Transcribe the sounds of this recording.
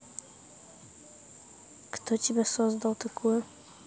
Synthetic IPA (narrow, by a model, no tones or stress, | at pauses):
kt̪ɔt͡ɕibɛsɔzd̪awt̪ɛkuwɘ